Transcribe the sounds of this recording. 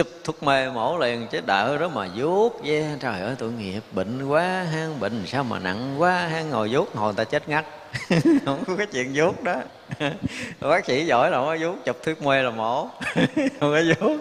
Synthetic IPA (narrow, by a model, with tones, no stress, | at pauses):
t͡ɕʊ˨˧˩p̚t̪ʰu˦˥ək̚me˧mo˧˩˦li˨˩ənt͡ɕe˦˥t̚ɗəː˧˩zɔ˨˦˥t̚maː˨˩zu˦˥k̚zɛ˧t͡ɕaː˨˩ɣə̰ː˧˨˦jt̪ṵ˧˨ŋi˨˩əp̚ɓḭ˧˨ŋ̟kwaː˨˦ɦaː˧ŋɓḭ˧˨ŋ̟saː˧wma̰ː˨˩na̰˧˨ŋkwaː˨˦ɦaː˧ŋːo˨˩jzu˦˥k̚ho˨˩jt̪aː˧t͡ɕe˦˥t̚ŋa˦˥t̚ | hə˧˦wŋ͡mkkɔ˨˦t͡ɕwḭ˧˨ənzu˦˥k̚ɗɔ˨˦˨ | wɓaː˦˥k̚si˧˦zɔ̰˧˨˩jla˨˩˨kɔ˨˦zu˦˥k̚t͡ɕə˨˩p̚t̪ʰu˦˥ək̚me˧laː˨˩mo˧˩˦hə˨˧˩wŋ͡mkɔ˨˦zu˦˥k̚